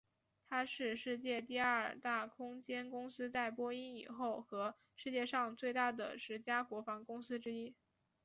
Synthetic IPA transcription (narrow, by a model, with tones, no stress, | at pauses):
t̪ʰa˥ʂɻ̩˥˧ʂɻ̩˥˧t͡ɕjɛ˥˧t̪i˥˧a˞˥ə̰˞˨˩t̪a˥˩kʰʊ˥ŋt͡ɕjɛ˥nkʊ˥ŋsɹ̩˥t͡sa˥˩ɪpwɔ˥i˥ni˨˩xo˥˩ʊxɤ˧˥ | ʂɻ̩˥˧t͡ɕjɛ˥˧ʂɑ˥˧ŋt͡swe˥˧ɪt̪a˥˩d̪ə̰˩ʂɻ̩˧˥t͡ɕja˥kwɔ˧˥fɑ˧˥ŋkʊ˥ŋsɹ̩˥ʈ͡ʂɻ̩˥i˥